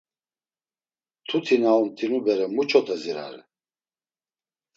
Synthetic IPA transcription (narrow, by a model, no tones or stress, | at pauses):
t̪ʰut̪ʰinaunt̪ʰinubɛɾɛmut͡ʃʰɔt̪ʰɛziɾa̰ɾɛ̰